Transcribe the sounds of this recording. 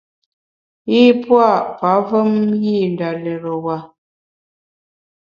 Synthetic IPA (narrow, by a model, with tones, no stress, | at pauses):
i˦pwa˦˨ʔpa˨˦və˦mji˦˨n˨da˨lɛ˨ɾo˨wa˨